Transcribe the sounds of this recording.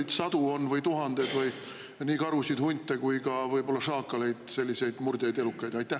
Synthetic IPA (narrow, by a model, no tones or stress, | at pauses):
d̪sɑd̪uo̞nːvɤjt̪uɦɑnd̪̥ed̪vɤj | niːkɑɾusid̪̥hunʲt̪ːˑe̞kujkɑvɤjbo̞lːɑsɑːkːˑɑle̞jd̪̥se̞lʲːise̞jd̪̥murd̪̥ʲejd̪e̞lukːˑɑjd̪ɑjt̪ːˑæh